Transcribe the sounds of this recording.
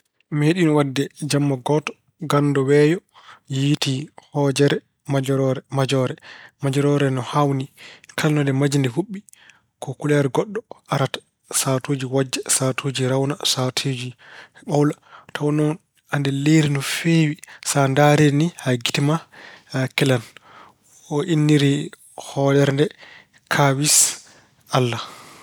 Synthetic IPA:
meɗinɔwadːɛd͡ʒamːaɡɔtɔ̥ | ɡandɔwɛjɔ | jitihɔd͡ʒɛɾɛ | mad͡ʒɔɾɔɾɛmad͡ʒɔɾɛmad͡ʒɔɾɔɾɛnɔhawnikʰalnɔndɛmad͡ʒindɛɦuɓːi | kʰɔkulaɾɛɡɔɗːɔaɾatḁ | satoːd͡ʒiwad͡ʒːɛsatʰoːd͡ʒiɾawnasatʰed͡ʒiɓawlatʰawɔnɔn | andɛleɾinɔfewisandaɾenihaɡitima | kɛlan | ɔʔinːiɾi | hɔlɛɾndɛ | kʰawis | alːa

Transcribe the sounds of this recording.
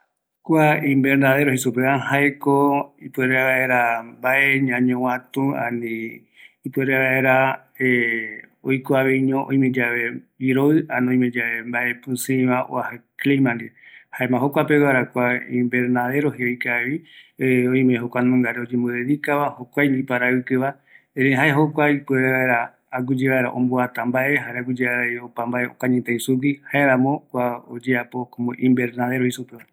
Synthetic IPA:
kʷaĩmbe̞ɾnaðe̞ɾohesupeahaekoipueɾeaβaeɾambaʔeɲãɲõwãt̪ũã̰nĩ | ipɨeɾeβaeɾa | e | ojkoaβeiɲõʔõ̰ĩmẽd͡ʒaβe̞iɾoɨanõĩmẽd͡ʒaβembaʔepũsĩβaʔo̰ahaklimãnd̪ihaemãɦokʷapewaɾakʷaĩmbeɾnaðe̞ɾoɦeikaβi | oĩmẽɦokʷañmãŋɡaɾeod͡ʒẽmboðeðikaβahokʷajnipaɾaɨkɨβa | eɾeɦaeɦokʷajpueβeβaeɾaː | ɡud͡ʒeβaeɾa̰ʔõ̰mboat̪ãmbae̞ɦaɾeaɡud͡ʒeaejopambaeo̰kãɲẽt̪eisup̬ihaeɾãmõkʷao̰d͡ʒeapo̞kõmoʔĩmbeɾnaðe̞ɾohisupea

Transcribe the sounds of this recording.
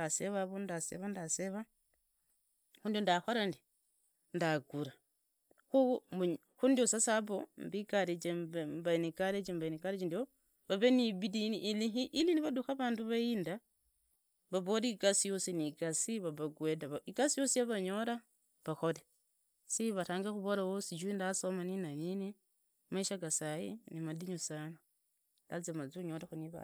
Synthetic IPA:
aseβaβondasḛβandaseβa | xundiondaxoɾandi | ndaɡuɾa | xumu | xundiosasaβombikaɾed͡ʒembainikaɾed͡ʒembainikaɾed͡ʒindio | βaβeniβidiliɦiʔːliniβaduxaβaːnduβaiːnda | βaβoɾiikasijo̞sinikasiβaβaɡwedaβaikasijo̞sijaβaɲo̞ɾa | βaxole | siβataːŋɡaxuβolawosid͡ʒwindasomaninanini | maʃaɡasajḭnimadiɲusana | da̰zemad͡ziuɲoɾexuniβa̰

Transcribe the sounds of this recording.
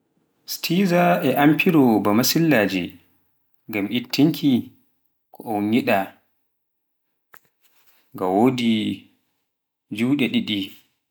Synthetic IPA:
stʰizaʔɛʔampʰiɾɔbamasilːad͡ʒɛ̰ | ŋɡamʔitʰːiŋkʰi | kʰɔʔɔwɲiɗa | ŋɡawoːdi | d͡ʒuwɗɛɗiɗi

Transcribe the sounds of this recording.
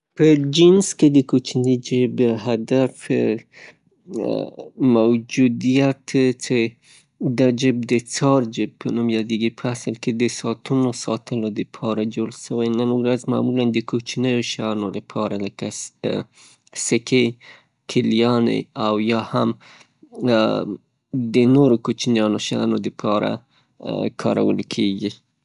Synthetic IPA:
pəd͡ʒɪnsked̪əkot͡ʃnid͡ʒəbɦad̪af | mawd͡ʒud̪ijat̪t͡ʃe | d̪ad͡ʒɪb̚d̪ət͡sɑɾd͡ʒəb̚pʰənumjɑd̪eɡipʰəasəlked̪əsɑt̪unosɑt̪əlod̪əpʰɑɾad͡ʒoɽʃəwajnənuɾazmɑ̰muland̪əkot͡ʃnəjoʃanolapʰɑɾaləka | sɪkʰe | kʰɪljɑnḛawjɑham | d̪ənoɾokot͡ʃnjɑnoʃnod̪əpʰɑɾa̰ | kʰɑ̰ɾa̰wə̰lkʰeɡi

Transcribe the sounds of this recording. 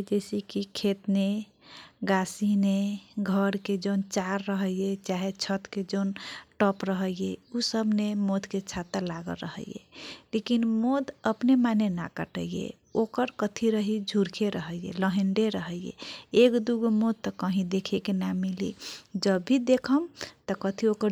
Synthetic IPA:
d͡ʒesikikʰet̪ne | ɡasineɡʱəɾked͡ʒənt͡ʃaɾːəɦəijet͡ʃaɦet͡ʃʰət̪ked͡ʒənʈɔpɾəɦəjeusəbʱnemod̪ʱket͡ʃʰat̪əlaɡə̰lɾəɦə̰jḛlekinmod̪əpnemanena̰kəʈəjjḛ | okəɾkət̪ʰiɾəɦid͡ʒʱuɾkʰeɾəɦəjjḛləɦeɳɖeɾəɦəjjḛekd̪uɡmod̪̚t̪əkəɦĩd̪ekʰekenamilḭd͡ʒəbʱːid̪ekʰəmt̪ɔkət̪ʰiokəɾ

